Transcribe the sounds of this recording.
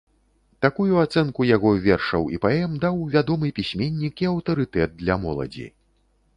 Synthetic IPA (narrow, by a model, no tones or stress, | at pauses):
t̪akujuat̪sɛnkujaɣɔvʲɛrʂɐwipaɛmd̪awvʲad̪ɔmɨpʲisʲmʲenʲːikiɐwt̪ɐɾɨt̪ɛd̪̚d̪lʲɐmɔlˠɐ̰d͡zʲḭ